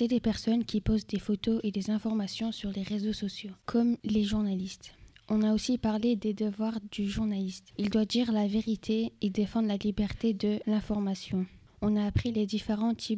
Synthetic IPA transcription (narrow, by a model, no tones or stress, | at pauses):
sɛd̪epɛʁsɔnkʲipozd̪efot̪oʔed̪ezɛ̃fɔʁmasjɔ̃syʁleʁezosɔsjokʰɔmleʒuʁnalist̪ɔ̃naosipaʁled̪ed̪əvwaʁd̪yʒuʁnalist̪ild̪wad̪iʁlaveʁit̪ʰeed̪efɑ̃d̪lalibɛʁt̪ed̪əlɛ̃fɔʁmasjɔ̃ | ɔ̃naːpχiled̪ifeʁɑ̃t̪ʰi